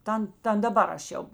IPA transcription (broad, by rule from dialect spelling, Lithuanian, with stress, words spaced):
ˈtɐn ˈtɐn dɐˈbɐr ɐʃ ˈjɛʊ